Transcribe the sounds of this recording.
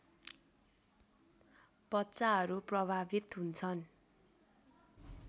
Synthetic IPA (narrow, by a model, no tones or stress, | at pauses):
pʌtːt͡saɦʌɾuprʌbʱabit̪ɦunt͡sʰʌn